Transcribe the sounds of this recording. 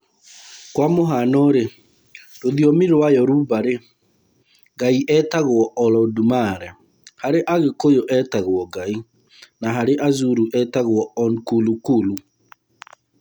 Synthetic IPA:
kwamoɦanɔɾe | ɾoðiɔmiɾowajɔɾuβaɾe | ɣaiʔɛtaɣwɔɔlɔdumaɾɛ | haɾeʔaɣekojoʔɛtaɣwɔɡai | naɦaɾeʔazuɾuʔɛtaɣoɔɔnkulukulu

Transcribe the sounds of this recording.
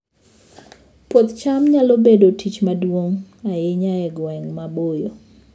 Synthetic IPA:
pwot̪t͡ʃamɲalobedotʰit͡ʃmadwoŋajɪɲaɛɡwɛŋmabojo

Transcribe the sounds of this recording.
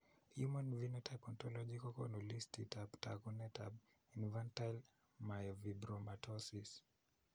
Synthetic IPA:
hjumanvinɛtʰajpɔ̃ntɔlɔd͡ʒikɔkɔnulistitabta̰ɡunɛtʰa̰b | infãntajl | majɔvibɾɔmatʰɔsis

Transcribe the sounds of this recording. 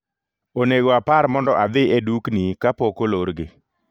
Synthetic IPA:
oneɡoapaɾmɔndɔʔad̪ɪeduknikapokoloɾɡɪ

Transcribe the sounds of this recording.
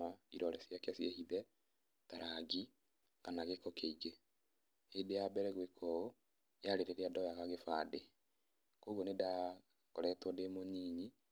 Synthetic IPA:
aiɾɔɾɛsjakjasjehiðɛ | taɾʔaɡi | kanaɣekɔkeiɡe | edejabɛɾɛɣwekʰɔo | jaɾeɾeɾeadɔjaɣaɣefade | koɣoneda | kɔɾɛtwɔdemoɲiːɲi

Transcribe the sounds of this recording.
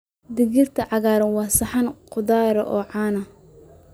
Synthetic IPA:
d̪ɪɣirt̪ʰɐʕɑɣaːɾɐnwɑːsɐħɑnqʊðaːɾɐ̰ʔɔːʕɑːnɐ

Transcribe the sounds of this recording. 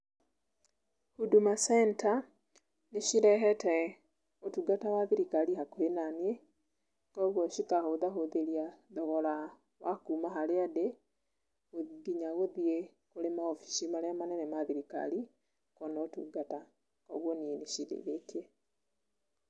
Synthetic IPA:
hudumasɛnta | neʃiɾɛɦɛtɛ | otuɡatawaðiɾikaɾiɦakoenanie | kɔɣwɔʃikahoðaɦoðeɾiaðɔɣɔɾa | wakuːmaɦaɾeade | oɡiɲaɣoðie | koɾemaɔfi̥ʃimaɾeamanɛnɛmaðiɾika̰ɾi | kɔnɔotṵɡata | kɔɣwɔnieneʃidḛβeteɛ

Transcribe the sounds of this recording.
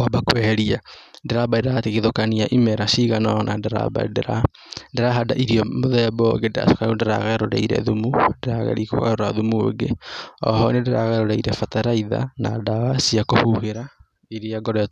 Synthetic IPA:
wabakwɛɾiadeɾabadeɾaateɣeðokaniaʔimɛɾaʃiɣanɔnandeɾa̰ba̰deɾa | ndeɾaɦadaʔiɾiɔmoðɛabɔɡendɾa̰sokanundeɾa̰ɣaɾoɾa̰iɾɛ̰ðumundeɾaɣɛ̰ɾiko̰a̰ɾoɾaðumuo̰ɡeɔ̰hɔnendeɾaɣaɾoɾaiɾɛfataɾaiða̰na̰dawasiakohuheɾa | iɾeaɡɔɾɛ

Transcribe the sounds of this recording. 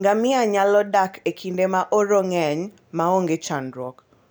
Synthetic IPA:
ŋɡamɪaɲalɔdakekʰindemaʔoɾoŋɛɲ | maoŋɡet͡ʃanɾɔk

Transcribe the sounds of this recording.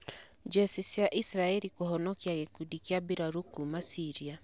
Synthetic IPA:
d͡ʒɛsisjaʔisɾaeɾikuɦɔnɔkiaɣekudikiabiɾaɾukumasiɾia

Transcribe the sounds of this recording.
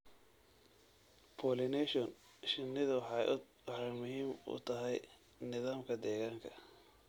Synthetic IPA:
pʰɔːlɪnɛʃɔn | ʃɪnːɪðɐ | wɑħɑjmʊɦiːmʊ̰t̪ʰɐɦɛj | nɪðaːmkʰɐd̪ɛːɣaːŋkʰɐ

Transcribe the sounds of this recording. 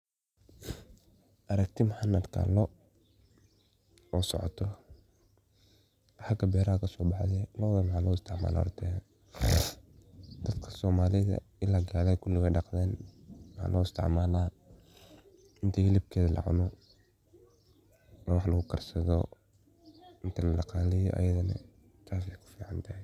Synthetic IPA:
ʔɐɾɐkt̪ʰɪmʊħɑnɐd̪kʰa̰lɔ | ɔːsɔ̰ʕɔ̰t̪ʰɔ | ħɑɡɐbɛːɾɐhɐkʰɐsɔːbɑħðɛlɔːðɐmħaːlɔːɪst̪ʰɪʕma̰ːla̰ːɾt̪ʰɛ | d̪ɐd̪kʰɐ̥sɔːmaːlɪðɐ̰ɪlaːɡaːlɛkʰʊlɪɣɛjɖɑqd̪ɛːnwħa̰ːlʔɔːɪst̪ʰɪ̰ʕmaːlaː | ɪnt̪ʰɛhɪlɪb̚kʰɛːðɐlɑ̰ʕʊ̰nɔ | nwɑħlɐɣʊkʰɐrsɐðɔ | ɪnt̪ʰɐlɐlɑqɑːlɪjɔʔɐ̰jɐðɐnɐ̰ | t̪ʰaːsɛjkʰʊ̥fiːʕɑnt̪ʰɐhɛ

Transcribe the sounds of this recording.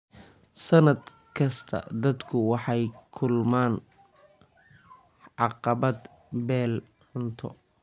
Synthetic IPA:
sɐnɐd̪ | kʰɐst̪ʰɐ̰d̪ɐd̪kʰʊwɑħɑjkʰʊlmaːn | ʕɑqɑβɐd̪ | bɛːl | ʕʊnt̪ʰɔ̰

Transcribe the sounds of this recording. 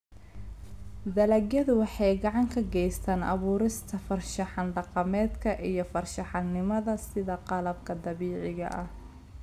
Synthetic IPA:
d̪ɐlɐɡjɐðʊwɑħɑjɡɑʕɑŋkʰɐɡɛjst̪ʰaːnʔɐ̰βuːɾɪst̪ʰɐfɐrʃɑħɑnɖɑqɑmɛːd̪kʰɐʔijɞfɐrʃɑħɑnnːɪmɐðɐsɪðɐqɑlɐb̚kʰɐd̪ɑβiːʕɪɣɐ̰ʔɐh

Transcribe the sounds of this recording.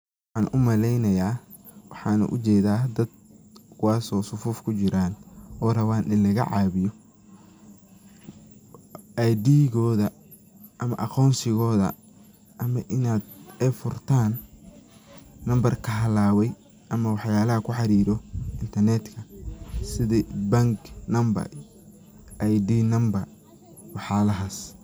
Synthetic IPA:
wɑħɑːnʔʊmɐlɛjnɐjaː | wɑħɑːnɐ̰ʔʊ̰t͡ʃɛːðaːd̪ɐd̪̚kʰʊwaːsɔːsʊfuːfkʰʊt͡ʃɪɾaːnɔːrɐβaːnɪlɐɣɐ̰ʕɑːβɪjɔ | ʔajd̪iːɣɔːðɐ | ʔɐmɐ̰ʔɑqɔːnsɪɣɔːðɐ̰ | ʔɐmɐʔɪnaːd̪ɛfʊrt̪ʰaːn | ɐmbɐrkʰɐɦɐlaːwɛj | ʔɐmɐwɑħjaːlɐɦɐkʰʊħɑɾiːɾɔɪnt̪ʰɐrnɛd̪kʰɐsɪðibɐŋɡnɐmbɐ̰r | ʔajd̪iːnɐmbɐr | wɑħjaːlɐɦaːs

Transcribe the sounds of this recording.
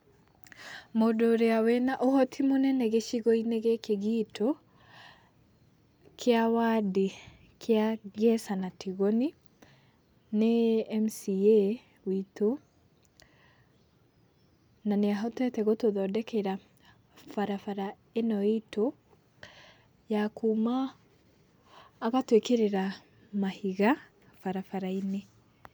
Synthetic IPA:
modoːɾeawɛnaʔohɔtʰimonɛnɛɣeʃiɣoineɣekeɣitʰo | kʰeawadi | kʰeaɣɛsanatiɣoni | neɛmsie | wito | naneaɦɔtwɛtɛɣotoðɔdɛkeɾa | faɾafaɾa | enɔito | jakʰuːma | ɣatwekeɾeɾa | mahiɣa | faɾafaɾaine

